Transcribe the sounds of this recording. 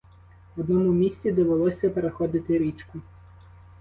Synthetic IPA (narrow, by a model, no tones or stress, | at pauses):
ʋɔd̪nɔmumʲisʲt͡sʲid̪ɔʋelˠɔsʲɐpeɾexɔd̪ɪt̪ɪɾʲit͡ʃkʊ